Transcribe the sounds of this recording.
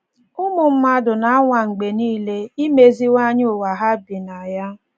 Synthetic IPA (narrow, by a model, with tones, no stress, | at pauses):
ʊ˦mʊ˨m̩˦ma˦dʊ˨na˨a˦ŋʷa˨ŋ͡m̩˨ɡ͡be˨niː˦le˦i˦me˦zi˦wa˦ɲ˦ʊ˨wa˨ɦa˦bi˨na˨ja˦